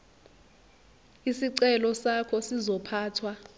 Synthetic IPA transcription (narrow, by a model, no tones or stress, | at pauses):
isiǀɛlɔsakʰɔsizɔpʰaːtʰwa